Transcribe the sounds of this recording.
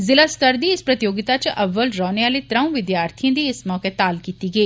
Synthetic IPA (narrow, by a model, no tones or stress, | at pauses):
zɪlast̪əɾd̪iɪspɾɐt̪ɪjoːɡɪt̪at͡ʃʔɐʋːəlɾɔːneʋaːlet̪ɾɐ̃ũʋɪd̪jaːɾt̪ʰijõd̪iɪsmɔːket̪aːlkiːt̪iɡɐiː